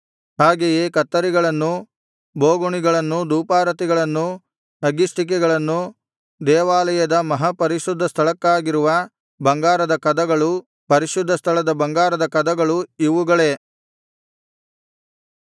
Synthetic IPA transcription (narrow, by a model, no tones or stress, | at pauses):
ɦaːɡejeːkɐt̪ːɐɾiɡɐɭɐnːu | boːɡuɳiɡɐɭɐnːud̪uːpaːɾɐt̪iɡɐɭɐnːu | nɐɡisʈ̪ik̬ɛɡɐɭɐnːu | d̪ɛːʋaːlɐjɐd̪ɐmɐɦɐpɐɾiʃud̪ʱːɐst̪ʰɐɭɐkːaːɡiɾuʋɐ | bɐŋɡaːɾɐd̪ɐkɐd̪ɐɡɐɭu | pɐɾiʃud̪ʱːɐst̪ʰɐɭɐd̪ɐbɐŋɡaːɾɐd̪ɐkɐd̪ɐɡɐɭuiʋuɡɐɭe̞